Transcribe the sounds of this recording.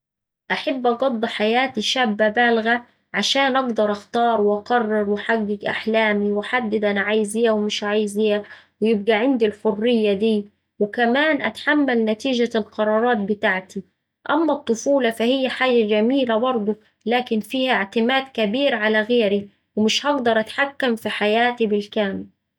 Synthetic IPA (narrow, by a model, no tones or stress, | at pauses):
ʔaħabːʔɑɡɑd̪ˤːħajaːt̪iʃaːbːabæːlɣa | ʕaʃaːnʔɑɡd̪ɑɾˤʔɑxt̪ɑːɾˤwʔɑkɑrˤːɑɾˤwɪħaɡːɪɡʔa̰ħlaːmiwɪħad̪ːɪd̪ʔanʕajɪzɪjːawmɪʃʕaːjɪzɪjːawɪjɪb̚ɡaʕɪnd̪ilħʊrːɪjːad̪iː | wɪkamaːnʔat̪ħamːalnat̪iːʒalqɑɾˤɑːɾˤɑːt̪̚bɪt̪aːʕt̪i | ʔamːat̪ˤːʊfuːlɑfahɪjːaħaːd͡ʒad͡ʒamiːlabɑɾˤd̪ˤu | laːkɪnfiːhʔɪʕt̪ɪmaːd̪kabiːɾʕalaɣeːɾi | wɪmɪʃhɑɡd̪ɑɾˤʔat̪ħakːamfiħajaːt̪ibɪlkaːmɪl